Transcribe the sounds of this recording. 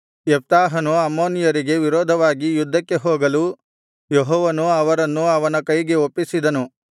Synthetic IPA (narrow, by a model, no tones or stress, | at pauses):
ep̚t̪aːɦɐnuɐmːoːnijɐɾiɡe̞ʋiɾɔːd̪ʱɐʋaːɡijud̪ʱːɐkːe̞ɦoːɡɐlu | jeɦɔːʋɐnuɐʋɐɾɐnːuɐʋɐnɐkɐjɡe̞opːisid̪ɐnu